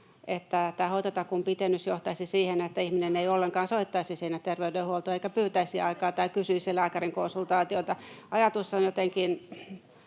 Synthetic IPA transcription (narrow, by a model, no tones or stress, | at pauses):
ʔet̪ːæt̪æːhoit̪ɑt̪ɑkumpit̪enːysjoht̪ɑisisiːhenet̪ːæihmineneiolːeŋkɑːnsoit̪ːɑisisiːnætt̪erʋeydehuolt̪oːeikæpyːt̪æisiɑikɑːt̪ɑikysyisilæːkæriŋkonsult̪ɑːt̪iot̪ɑɑjɑt̪usːonjot̪eŋkin